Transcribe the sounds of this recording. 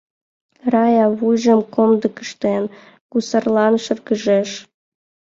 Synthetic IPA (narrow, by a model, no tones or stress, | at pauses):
rɑjɑβujʒə̆mkomd̪ɤ̆kə̥ʃt̪en | kusɑrlˠɑnʃɤ̆rɡə̆ʒeʃ